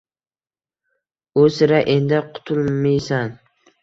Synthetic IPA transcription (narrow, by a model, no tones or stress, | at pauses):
ʊsɪɾaʔend̪ɪqʰʊ̥t̪ʰʊlˠmijsan